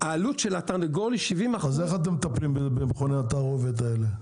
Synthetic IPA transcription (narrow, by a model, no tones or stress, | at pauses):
aːlutʃelat̪aʁneɡoliʃivimaazeχat̪̬emːet̪aplimbebemeχoneat̪aʁovet̪̬aele